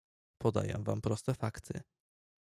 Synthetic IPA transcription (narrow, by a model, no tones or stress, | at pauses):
pɔd̪a̰jɛ̰m̃vampɾɔst̪ɛfakt̪ʰɘ̰